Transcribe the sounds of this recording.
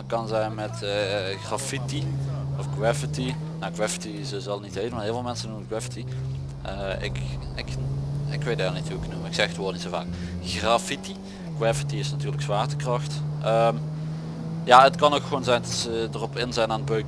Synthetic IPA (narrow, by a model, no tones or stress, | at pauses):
kɑnzɛjnmɛtːɣrafitiɔfkwɛfəti | nawkwɛfə̥tizəzɑlˠnitheːtənmanɦɪːlˠvɪːlˠmɛnsənuməəkwɛfəti | əɪ̰kɪkɪkʋejtːlˠnithuɪknuməɪksɛxətʋoːtnitsova̰ːk | xrafiti | kwafətiɪsnatyːɹləksʋaːrtəkrɑxtʔəm | jaɦətkɑnokxəʋoːnzɛjndɑtsədərɔpɪnzɛjnaːnəbøk